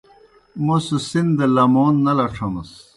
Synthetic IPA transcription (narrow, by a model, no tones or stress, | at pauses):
mosusind̪ɐlɐmoːnːɐlɐʈ͡ʂʰɐmɐs